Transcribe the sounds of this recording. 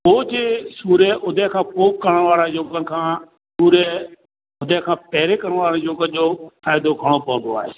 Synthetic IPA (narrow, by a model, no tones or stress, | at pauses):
oːd͡ʑesuːɾeʔʊd̪ʱekʰãːpoːp̚kəɾəɽ̃ʋaːɾə̃joːɡən̆kʰãː | suːɾe | ʊd̪ʱekʰãːpɛɦɾekɐɾəɽ̃ʋaːɾə̃joːɡənʄofaːɪd̪oɡʱɐɽ̃opɐ̃ʋə̃nd̪oa̰ːɦḛː